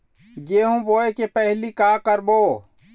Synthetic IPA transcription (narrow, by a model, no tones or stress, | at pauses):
d͡ʒeɦũboekepəɦlikakəɾbo